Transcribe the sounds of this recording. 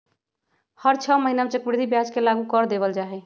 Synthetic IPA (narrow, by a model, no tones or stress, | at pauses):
həɾt͡ʃʰəməɦinamet͡ʃəkbɾid̪ʱibjad͡ʒkelaɡukəɾd̪eβəld͡ʒaɦɛ